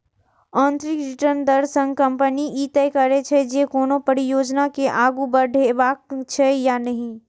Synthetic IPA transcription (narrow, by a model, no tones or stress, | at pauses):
ɔ̃ːnt̪ɾikɾɪʈəɾnd̪ɐɾsə̃ŋɡkɐ̃mpəniʔiːt̪ɛjkɐɾet͡ʃʰed͡ʒekoːnõpɐɽijoːd͡ʒnakeʔaːɡubɐɾɖʱeʋaːkt͡ʃʰejanɐɦĩː